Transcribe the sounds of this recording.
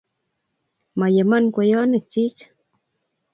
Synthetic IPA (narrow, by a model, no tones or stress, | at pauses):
majemankʷejonet͡ʃit͡ʃ